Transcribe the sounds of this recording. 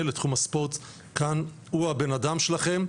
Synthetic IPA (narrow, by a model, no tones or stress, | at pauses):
letχumaspo̞t̪ | kan | huabenadamʃelaχe̞m